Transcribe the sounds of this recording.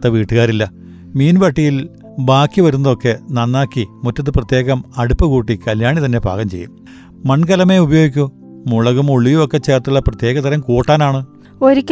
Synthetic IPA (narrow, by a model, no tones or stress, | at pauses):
t̪ːɐʋiːʈːɨɣaːɾilːɐ | miːnʋɐʈːijil | baːkːiʋɐɾunːɐðo̞kːe̞nɐnːaːkːimutːɐt̪̬ːɨprɐt̪je̞ːɣɐmɐɽupːɐkuːʈːikɐljaːɳit̪ɐnːe̞bʱa̰ːɣɐmt͡ɕe̞̰jːṵmː | ɐɳkɐlɐme̞ubɐjo̞ːɡikʲːu | muɭɐɣumoɭijuokːe̞t͡ɕːe̞ːrt̪uɭːɐprɐt̪je̞ːɣɐt̪ɐɾɐmkoːʈːaːnaːɳɨ | oɾikʲː